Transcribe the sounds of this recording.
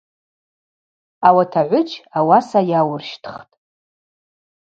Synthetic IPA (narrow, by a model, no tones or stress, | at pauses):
awatʰaʕʷʊt͡ʃʼʰawasajawʊrʃtʰχtʼ